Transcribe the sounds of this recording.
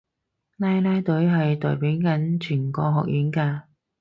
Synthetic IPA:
laː˥jlaː˥jt̪ɵ˨˥ɥɦɐ˨jt̪ɔ̰ː˨˩jpiː˨˥wkɐ˨˥nt͡ʃʰyː˨˩nkɔː˧ɦɔ̰ː˨k̚jiː˨˥nkaː˧

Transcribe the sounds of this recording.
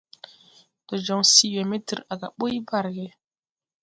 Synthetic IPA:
d̥ɔ˨d͡ʒɔ˨ŋsi˦wɛ˨me˦tə̰˨ɾa˨ɡa̰˨ɓo˦ji˦ba˦˨ɾɡɛ˨

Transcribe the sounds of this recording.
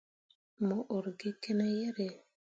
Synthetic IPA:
mo˨ʔo˨ɾɡɪ˦ke˦nɛ˦jɛ˦ɾe˨

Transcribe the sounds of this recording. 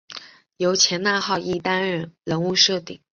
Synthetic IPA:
jo˧˥ʊt͡ɕʰjɛ˧˥nna˥˧xɑ˥˧ʊʔi˥˩t̪a˥nɻə˥˩nɻə˧˥nu˥˧ʂɤ˥˩t̪ḭ˨˩˦ŋ

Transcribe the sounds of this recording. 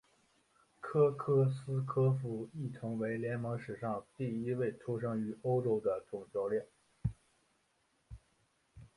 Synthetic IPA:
kʰɤ˥kʰɤ˥sɹ̩˥kʰɤ˥fu˧˥i˥˩t̪ʰʊ˧˥ŋwe˧˥ɪljɛ˧˥nmɤ˧˥ŋʂɻ̩˨˩ʂɑ˥˧ŋt̪i˥˩i˥we˥˩ɪt̪ʰu˥ʂ̬ɤ˥ŋy˧˥o˥ʊʈ͡ʂo˥ʊd̪ə˧t̪ʰʊ˨˩ŋt͡ɕjɑ˥ʊljɛ˥˩n

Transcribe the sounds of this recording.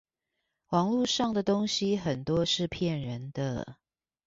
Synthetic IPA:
wɑ˧˥ŋlu˥˧ʂɑ˥˩ŋd̪ə˩t̪o˥ŋɕi˨xə˨˩nt̪wɔ˦ʂɻ̩˥˨pʰjɛ˥˩nɻə˨˦nd̪ə̰˧

